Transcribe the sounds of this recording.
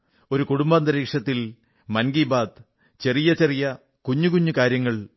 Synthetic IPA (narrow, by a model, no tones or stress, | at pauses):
o̞ɾukuɽumbaːnd̪ɐɾiːkʂɐt̪ːil | mɐnɡiːbaːd̪ | t͡ɕe̞rijɐt͡ɕerijɐ | kuɲːukuɲːukaːɾjɐŋːɐɭ